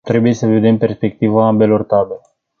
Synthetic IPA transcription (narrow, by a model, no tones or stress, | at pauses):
t̪ɾe̞buje̞səved̪impe̞rspe̞k̚t̪ivaambe̞lo̞rt̪abel